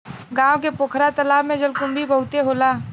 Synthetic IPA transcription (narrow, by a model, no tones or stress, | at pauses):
ɡãːõk̬epoːkʰɾat̪ɐlaːbmẽd͡ʒɐlkʊmbʱibɐɦʊt̪eɦoːlaː